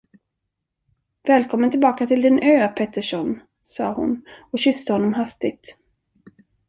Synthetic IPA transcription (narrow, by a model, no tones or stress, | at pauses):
vɛːlkʰɔmːənt̪ɪlbɑːkat̪ʰɪld̪ɪnøːpʰɛt̪əʂɔn | sɑ̰ːhʊ̰nɔɕʏst̪əhɔnːɔmɦast̪ɪɡ̚t̪